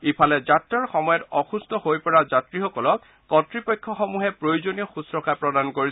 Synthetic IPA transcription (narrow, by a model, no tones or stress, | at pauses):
ipʰalɛzatɹaɹxɔmɔjɔtɔxustɔhojpɔɹazatɹixɔkɔlɔk̚ | kɔtɹipɔjkʰːɔxɔmuɦɛpɹojozonijɔxusɹɔkapɹɔdankoɹis